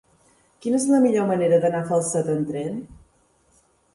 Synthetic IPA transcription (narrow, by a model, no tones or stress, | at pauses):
kinəezləmiʎoməneɾəðənafəlˠsət̪ənt̪ɾɛn